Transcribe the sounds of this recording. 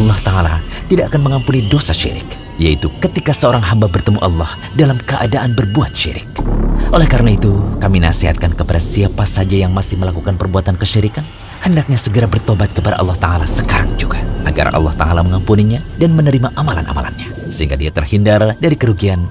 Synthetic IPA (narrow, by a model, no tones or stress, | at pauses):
ɑlˠːɑht̪aalat̪idaʔːkanməŋampunidosaʃḭɾɪ̰k̚ | jait̪ukət̪ikasəoɾaŋɦambabərt̪əmuʔɑlːɔh | dalamkəʔa̰daʔanbərbuat̪̚ʃḭɾɪ̰k̚ʔolɛhkaɾənait̪ukaminaseɦat̪̚kankəpadasiapasad͡ʒajaŋmasɪhməlakukanpərbuat̪ankəʃiɾikan | həndak̚ɲasəɡəɾabərt̪obat̪̚kəpadaʔɑ̰lːɑht̪aalasəkaɾa̰ŋd͡ʒuɡaʔa̰ɡa̰rʔɑ̰lːɑ̰ht̪a̰alaməŋampuniɲadanmənəɾimaʔamala̰nʔa̰ma̰la̰nɲa | səhiŋɡadiat̪ərhindardaɾikəɾuɡian